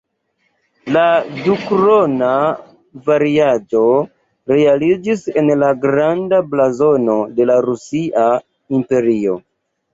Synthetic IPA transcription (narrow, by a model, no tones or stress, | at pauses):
ladukɾona | vaɾiad͡ʒo̞ | ɾe̞alid͡ʒise̞nlaɡɾandablazo̞no̞de̞laɾusiʔa | impe̞ɾio̞̰